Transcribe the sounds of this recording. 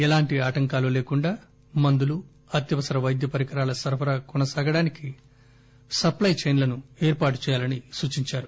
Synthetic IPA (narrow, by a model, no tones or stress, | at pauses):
ɛlaːɳʈiaːʈɐŋkaːluleːkuɳɖaː | mɐnd̪ulu | ɐt̪jɐʋɐsɐɾɐʋɐjd̪jɐpɐɾikɐɾaːlɐsɐɾpʰɐɾɐkɔnɐsaːɡɐɽaːniki | sɐplɐjt͡ʃejnlɐnueːɾpaːʈu̥t͡ʃɛːjaːlɐnisuːt͡ʃiɲt͡ʃaːɾu